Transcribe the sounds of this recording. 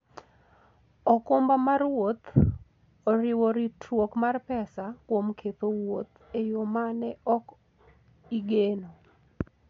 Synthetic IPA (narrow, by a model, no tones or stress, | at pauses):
ɔkʊmbamarwot̪ | oɾɪwoɾitwokmarpɛsakwomkʰet̪owot̪ | ejomanɛɔk | iɡeno